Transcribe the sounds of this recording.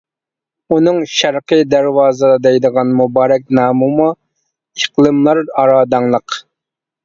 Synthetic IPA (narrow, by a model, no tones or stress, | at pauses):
unɨŋʃæɾqɨd̪æɾwɑːzɨd̪ɑd̪ɛjd̪əʁɑnmubɑːɾɛk̚ʲnɑːmumu | iqlˠɨmlˠɑɾɑɾɑːd̪ɑŋlˠəq